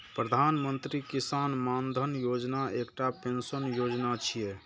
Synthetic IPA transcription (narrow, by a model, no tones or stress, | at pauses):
pɾəd̪ʱanmənt̪ɾikisanmand̪ʱənjod͡ʒnaekʈapensənjod͡ʒnat͡ʃʰijɛ